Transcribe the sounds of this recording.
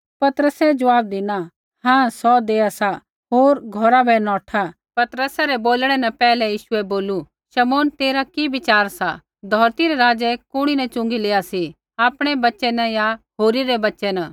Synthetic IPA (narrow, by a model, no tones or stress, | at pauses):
pɐt̪əɾəsɛd͡ʒɐʋaːb̚d̪ɪna | ɦãːsɔd̪eːasa | ɦoːɾɡʱɔɾabʱɛnɔ̃ːʈʰa | pɐt̪ɾəsaɾɛboːlɽ̃ɛnɐ̃pɛːlɛjiːʃʊɛboːlu | ʃɐmoːnt̪eːɾakibɪt͡ʃaːɾsa | d̪ʱɔːɾt̪iɾɛɾaːd͡ʒɛkʊɽ̃inɛ̃t͡ʃʊ̃ŋɡileːasi | aːpɽ̃ɛbɐtːʃɛnɐ̃jaɦoːɾiɾɛbɐtːʃɛnãː